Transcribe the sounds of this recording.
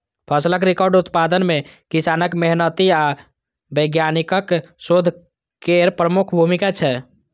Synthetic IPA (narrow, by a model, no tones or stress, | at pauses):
pʰəsləkɾikɔɾɖut̪pad̪ənmekisanəkmeɦnət̪ia | bəɡjanikəksod̪ʱ | keɾpɾəmukʰbʱumikat͡ʃʰɛ